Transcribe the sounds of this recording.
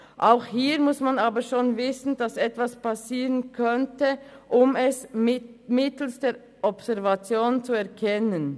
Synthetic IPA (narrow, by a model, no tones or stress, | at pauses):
ʔaʊxhiːʁmʊsmanaːbəʃoːnvɪsn̩d̥asɛtv̥aspasiːʁənkʰœntəʔʊmɛs | mɪtl̩sd̥eː | ʔɔbsɛɐvat͡sjoːnnt͡suɛɐkʰɛnən